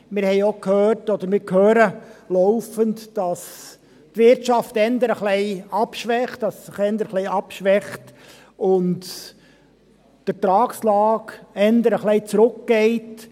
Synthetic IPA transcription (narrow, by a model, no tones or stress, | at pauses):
mɪɾhɛɪokhøːrtɔd̪əɾmɪɾkʰhøːɾəlɔʊfəntd̥ɑs | tʋɪɾtt͡ʃɑftɛnd̪əɾəχlɛɪɑpʃʋɛχtːɑsːɪχɛnd̪əɾχlɛɪɑpʃʋɛχt | ʊnt | d̥ətɾɑːkslɑːkɛnd̪əɾəχlɛɪt͡sɾʊkɡ̥ɛɪt